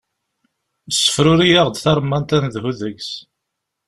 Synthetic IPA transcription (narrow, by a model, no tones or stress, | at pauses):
əsːə̥fɾʊɾijaʁd̪θɑɾˤmːɑnt̪ænðhuðəʝs